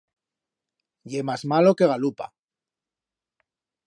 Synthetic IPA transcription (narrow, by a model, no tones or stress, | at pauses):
ʎe̞mazmalo̞ke̞ɣalupa̰